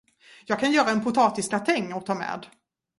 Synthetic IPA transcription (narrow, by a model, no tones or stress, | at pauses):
jɑːɡ̚kʰanjœːɾaɛnpʰʊt̪ʰɑːt̪ɪskat̪ʰɛŋːɔt̪ʰɑːmɛ̰ːd̪